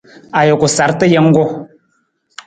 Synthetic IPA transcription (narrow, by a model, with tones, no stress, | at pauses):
a˨jo˨ku˨sa˨˦ɾtə˦jɛ˦ŋ˦ɡɔ˦